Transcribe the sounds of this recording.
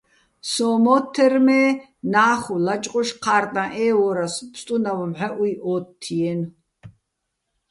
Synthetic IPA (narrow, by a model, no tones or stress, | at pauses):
sɔːmɔt̪ʰːɛrmɛː | naːχulat͡ʃʼqʼɔʃqʰaːrt̪ʼãʔɛːwɔːɾaspst̪ʼunawamħɛʔuiʔɔːt̪ʰːijɛn